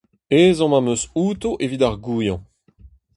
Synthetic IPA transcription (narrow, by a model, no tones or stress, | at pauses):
eːzɑ̃mãmøsuːt̪oʔevid̪aʁɡuːjɑ̃